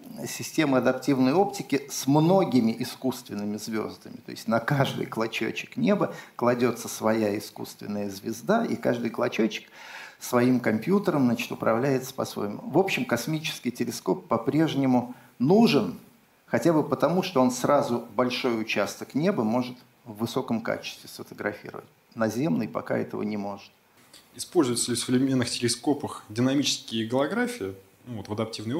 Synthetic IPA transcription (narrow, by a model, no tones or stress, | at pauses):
sʲɪsʲtʲe̞mɨɐd̪ɐptʲivnəjo̞ptʲɪkʲɪsmno̞ɡʲɪmʲɪʔɪskust̪vʲɪnːɨmʲɪzvʲo̞̰zd̪əmʲɪt̪o̞̰ɪsʲtʲnɐkaʐd̪ɨ̰jklˠɐt͡ɕo̰t͡ɕːɪ̥knʲe̞bəklˠɐdʲo̞t̪səsvɐjaɪskṵst̪vʲɪ̰nːəjəzʲvʲɪzd̪aʔḭka̰ʐd̪ɨjklˠɐt͡ɕot͡ɕːɪ̥ksvɐimkɐmpʲjut̪əɾəmznat͡ɕɪ̥t̪ʊpɾɐ̰vlʲæjɪt̪sə̥pɐ̰svo̰jɪmʊ̰vo̞pɕːɪmkɐsmʲit͡ɕɪ̥skʲɪjtʲɪlʲɪsko̞pːɐpɾʲeʐnʲɪmʊ | nuʐɨn | xɐtʲabɨpət̪ɐmuʂt̪oo̞nsrazʊbɐlʲʂo̞jʊt͡ɕast̪əknʲebɨmo̞ʐɨt̪ | vːɨso̞kəmka̰t͡ɕɪ̥st̪vʲɪsfət̪əɡɾɐ̰fʲḭɾə̰və̰t̚ʲ | nɐzʲe̞mnɨjpɐ̰ka̰ɛ̰t̪ə̰və̰nʲɪmo̞ʐɨt̪̚ | ɪspo̞lʲzʊjɪt̪səlʲɪfsʊvlʲɪɪmʲenːɨxtʲɪlʲɪsko̞pəxdʲɪnɐmʲit͡ɕɪ̥skʲɪjəɡəlˠɐɡɾafʲɪɪ | nuvot̪vəd̪ɐp̚tʲivnəj